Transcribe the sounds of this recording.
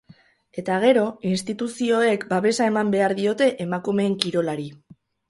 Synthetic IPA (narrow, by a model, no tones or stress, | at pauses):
e̞t̪aɣ̞e̞ɾo̞inst̪it̪usio̞e̞kbaβe̞sae̞mambe̞aɾðio̞t̪e̞ʔemakume̞ːŋkiɾo̞laɾi